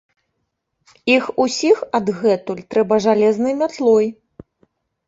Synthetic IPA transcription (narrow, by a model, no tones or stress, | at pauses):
ixusʲixɐd̪ɣɛt̪ulʲt̪ɾɛbɐʐalʲɛznɨjmʲat̪lˠɔj